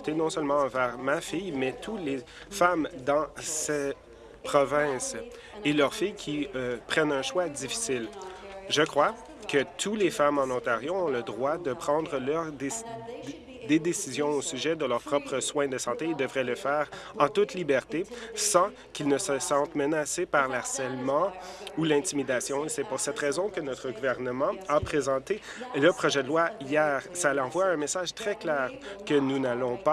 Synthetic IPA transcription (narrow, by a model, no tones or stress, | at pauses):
t̪enɔ̃sœlmɑ̃ɑ̃vɛːʁmafijmɛt̪ʰule | famd̪ɑ̃sɛ | pχɔvɛ̃s | elœʁfijkʲʰiøpχɛnɛ̃ʃwad̪d͡zifi̥sɪlʒəkχwa | kət̪ʰulefamɑ̃nɔ̃t̪aʁjoɔ̃ləd̪ʁwad̪əpχɑ̃d̪ʁəlœʁd̪ | d̪ed̪esizjɔ̃osyʒɛd̪əlœʁpχɔpχəswɛ̃d̪əsɑ̃t̪eild̪əvʁɛləfɛːʁɑ̃t̪ut̪libɛʁt̪esɑ̃ | kʲilnəsəsɑ̃t̪mənasepaʁlaʁsɛlmɑ̃ulɛ̃t̪imid̪asjɔ̃esɛpuʁsɛt̪ʁɛzɔ̃kənɔt̪χəɡuvɛʁnəmɑ̃apχezɑ̃t̪e | ləpχɔʒɛd̪əlwaijɛːʁsalɑ̃vwaɛ̃mesaʒt̪χɛklɛːʁkənunalɔ̃pa